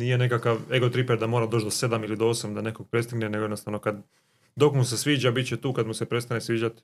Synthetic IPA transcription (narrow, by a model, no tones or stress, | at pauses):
niːje̞nekakaʋe̞ɡo̞t̪ɾipeɾd̪amoːɾad̪ot͡ʃd̪ose̞d̪amilid̪oosamd̪ane̞koɡ̚pɾe̞st̪iɡnene̞ɡ̞ednost̪aʋno̞kad̪ | d̪o̞kmusesʋiːd͡ʑabit̪t͡ɕet̪uːkad̪muse̞pɾe̞st̪anesʋiːd͡ʑat̪